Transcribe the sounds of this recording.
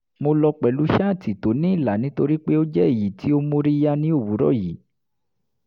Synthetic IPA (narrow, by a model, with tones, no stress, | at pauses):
mo˧lɔ˧k͡pɛ˨lu˨˦ʃa˦˨ti˨to˨˦nĩ˦i˦˨la˨nĩ˨˦to˧ɾi˦k͡pe˦o˦d͡ʒɛ˦e˦˨ji˨ti˨˦o˦mo˦ɾi˦ja˦nĩ˦o˦˨wu˨˦ɾɔ̰˦˨ji˨˦